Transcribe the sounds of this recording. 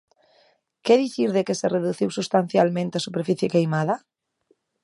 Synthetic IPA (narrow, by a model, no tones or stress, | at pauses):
keðiθiɾðekesereðuθiwsust̪an̟θjalmẽnt̪easupeɾfiθjekejmaðɐ